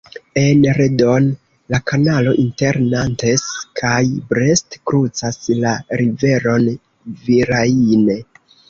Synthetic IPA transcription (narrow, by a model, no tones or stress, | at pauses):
e̞nɾedon | lakanalo̞ʔinte̞ɾnanteskʰajbɾe̞stkɾut͡saslaɾive̞ɾo̞n | viɾaine